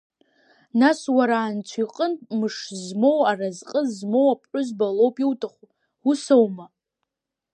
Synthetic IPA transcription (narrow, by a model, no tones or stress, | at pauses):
naswaɾaːnt͡ɕʷʰiqʼəntʼmɨʂzmo̞warazqʼəzmo̞wapʰʼħʊzbalowpʼiwtʰʼaχu | usowma